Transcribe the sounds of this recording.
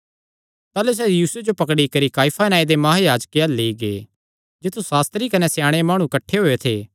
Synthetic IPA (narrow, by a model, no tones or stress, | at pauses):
t̪aːlus̬ɛjiːsʊed͡ʒopɐkɽikɐɾikaːipʰanaːid̪emɐɦajaːd͡ʒkealːeiɡe | d͡ʒɪt̪ʰːusaːst̪ɾikɐnesjãːɽ̃emaːɽ̃ũkɐʈʰːeɦoːet̪ʰeː